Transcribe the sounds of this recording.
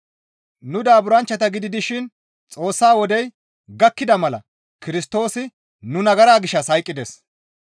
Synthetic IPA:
nʊd̪aːbʊɾɐnt͡ʃːɐt̪ɐɡɪd̪ɪd̪ɪʃɪn | t͡sʼo̞ːsːaːwɔd̪ɛj | ɡɐkːɪd̪ɐmɐlɐ̰ | kɪɾɪst̪o̞ːsɪ | nʊnɐɡɐɾaːɡɪʃːɐshɐjkʼːɪd̪ɛs

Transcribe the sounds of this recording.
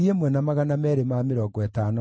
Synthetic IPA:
iemwɛnamaɣanamɛːɾemameɾɔɡɔɛtanɔ

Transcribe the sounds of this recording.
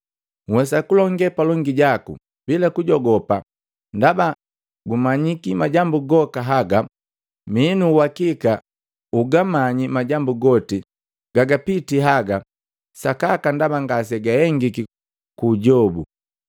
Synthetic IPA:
ŋwɛsakulɔŋɡɛpalɔŋɡiɟakṵ | bilakuɟɔɡɔpa | ndaba | ɡumaɲikimaɟambuɡɔkaɦaɡa | minuwakika | uɡamaɲimaɟambuɡɔti | ɡ̥aɡapitiɦaɡa | sakakandabaŋɡas̬ɛɡahɛŋɡiki | kuːɟɔbṵ

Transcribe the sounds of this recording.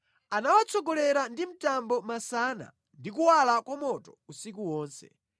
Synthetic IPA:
anawat͡sʰɔɡɔlɛɾandim̩tambɔmasana̰ | ndikuwalakwamɔtɔ̥usikuwɔːnsɛ̰

